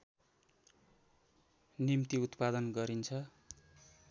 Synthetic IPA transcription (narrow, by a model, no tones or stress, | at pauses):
nimt̪iut̪pad̪ʌnɡʌɾint͡sʰʌ